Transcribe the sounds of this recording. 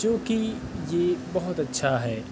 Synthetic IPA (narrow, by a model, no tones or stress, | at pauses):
t͡ʃõːki | jeːbɐɦʊt̪ɐtːʃʰaɦɛː